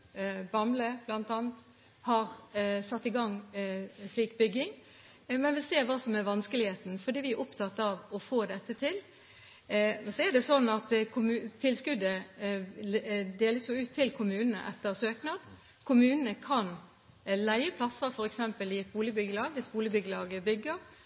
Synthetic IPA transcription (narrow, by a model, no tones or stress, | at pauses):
bɑmləb̥lɑnt̪ɑːnt̪ | hɑʁsɑt̪ːɪɡɑŋː | sliːkbʏɡːɪŋ | mɛnʋɪlseːɾʋɑːsɔmɛæɾʋɑnskəlɪheːt̪n̩fɔd̪iːʋɪæɾʊpt̪ʰɑt̪ːɑʋɔfoːd̪ɛt̪ːət̪ʰɪl | sɔɛd̪ɛsɔnːɑt̪kʰʊmʉt̪ʰːɪlskʉd̪ə | d̪eːləsjʊʉːt̪ʰːɪlkʰʊmʉːnənə̰ʔɛt̪ːəʁsøːknɑd̪ | kʰʊmʉːnənəkʰɑn | læɪəpʰlɑsːəfɔɾɛksɛmpəlɪɛt̪̚buːlɪbʏɡəlɑːɡʋɪsbuːlɪbʏɡəlɑːɡəbʏɡːəɾ